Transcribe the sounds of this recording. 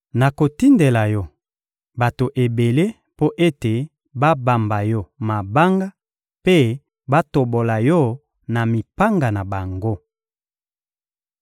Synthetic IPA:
na˨ko˨ti˦nde˨la˨jɔ˦ | ba˨to˨ʔe˨be˨le˦ | po˦ʔe˦te˨ | ba˦ba˨mba˨jɔ˦ma˨ba˦ŋɡa˦ | pe˦ | ba˦to˨bo˨la˨jɔ˦ | na˨mi˨pa˦ŋɡa˨na˨ba˨ŋɡo˦

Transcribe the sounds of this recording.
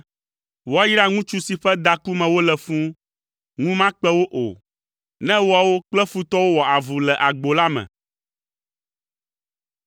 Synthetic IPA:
wa˦ji˦ɖa˦ŋũ˦t͡ʃu˦si˨ɸɛ˦d̪a˨ku˦mɛ̃˨wo˦lɛ˨fũ˦ | ŋũ˦mã˦k͡pɛ˦wo˦ʔo̰˨ | nɛ̃˦wa˨wo˦k͡plɛ˦fu˦t̪ɔ˦wo˦wɔ˨a˨vu˨lɛ˨ʔa˨ɡ͡bo˨la˦mɛ̰̃˨

